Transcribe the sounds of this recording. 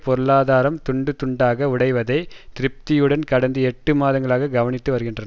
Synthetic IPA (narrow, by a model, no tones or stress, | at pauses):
pɔɾɯɭaːðaːɾɐmt̪ʊɳɖɯt̪ʊɳɖaːɣɐʊɽɐɪʋɐðɐɪt̪ɪɾɪp̚t̪ɪjɯɽɐnkɐɽɐnd̪ɯɛʈːɯmaːðɐŋɡɐɭaːɣɐɡɐʋɐnɪt̪ːɯʋɐɾɯɣɪndrɐn